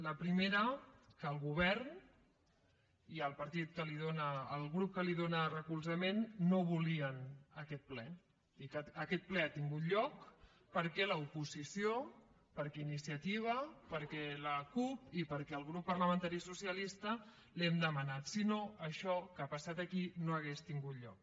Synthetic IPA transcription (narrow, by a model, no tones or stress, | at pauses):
ləpɾimeɾəkəːlˠɣuβɛrn | iəlˠpəɾt̪it̪̚kəliðonəːlˠɣɾup̚kəliðonərəkulˠzəmenːoβuliənəkɛt̪̚plɛ | ikəəkɛt̪̚plɛat̪iŋɡut̪ʎɔk | pəɾkɛləupuzisio | pəɾkɛinisiət̪iβ̞əpəɾkɛləkupipəɾkɛəlˠɣɾupːərləmənt̪aɾisusiəlist̪ə | lɛmd̪əmənat̪sinoəʃɔkːpəsat̪əkinoəɣest̪iŋɡut̪ʎɔk̚